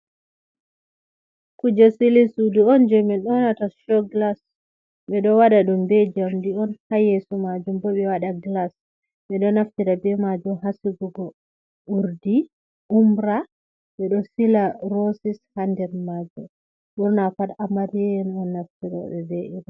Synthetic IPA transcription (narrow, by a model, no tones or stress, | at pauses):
kud͡ʒasilisuduɔnd͡ʒɛmɛɗɔnataʃɔɡlas | ɓɛɗɔwaɗaɗumbɛd͡ʒamdiɔnhajesumad͡ʒumbɔɓɛwaɗaɡlas | ɓɛɗɔnaftiɾabɛmad͡ʒumɦasiɡuɡɔ | ʔuɾdi | umbɾa | ɓɛɗɔsilaɾosishandɛɾmad͡ʒɔ | ɓuɾnafaɗamaɾiɛnɔnːaftiɾɔ̰ɓɛbɛʔiɾa